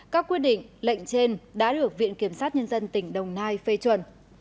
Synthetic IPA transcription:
kaː˦˥kːwi˦˥t̚ɗḭ̈˧˨ŋ̟la̰˧˨jŋ̟t͡ɕe˧nɗa̰ː˧˥ɗɨ˨˩ək̚vḭ˧˨ənki˧˩əmsaː˦˥t̚ɲə˧nzə˧nt̪ï˧˩ŋ̟ɗə˨˩wŋ͡mnaː˧jfe˧t͡ɕwə˨˧˩n

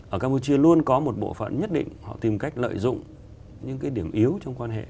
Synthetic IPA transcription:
ʔəː˧˩kaː˧mu˧t͡ɕi˧əlu˧ənkɔ˨˦mo˨˩t̚ɓo̰˧˨fə̰˧˨nɲə˦˥t̚ɗḭ̈˧˨ŋ̟hɔ̰˧˨t̪i˧˩mka˦˥jk̟̚lə̰ː˧˨jzʊ̰˧˨ŋ͡m | ɲɨ̰˧˥ŋkaː˨˦jɗi˧˩əmʔi˨˦əwt͡ɕɔ˧wŋ͡mkwaː˧nɦḛ˧˨

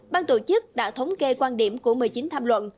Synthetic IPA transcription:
ɓaː˧nt̪o˧˩t͡ɕɨ˦˥k̚ɗa̰ː˧˥t̪ʰə˨˦wŋ͡mke˧kwaː˧nɗi˧˩əmku˧˩əmɨ˨˩jt͡ɕï˨˦ŋt̪ʰaː˧mlwə̰˧˨nʔ

